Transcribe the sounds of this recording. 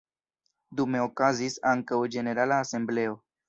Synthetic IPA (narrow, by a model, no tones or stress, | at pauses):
d̪ume̞okazisaŋkawd͡ʒe̞ne̞ɾalaːse̞mble̞o̞